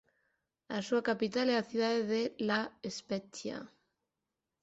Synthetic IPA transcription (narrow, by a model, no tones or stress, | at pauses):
a̰suakapit̪alɛaθjuðaðeðelaespeθja̰